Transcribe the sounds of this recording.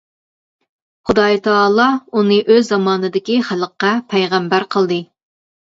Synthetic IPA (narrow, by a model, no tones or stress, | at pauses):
χʊd̪ɑjt̪ʰɑːlˠɑunɨʔøzːɑmɑːnɨd̪ɪkʲiχæləqːɑpʰɛjʁæmbæɾqʰəlˠd̪ɨ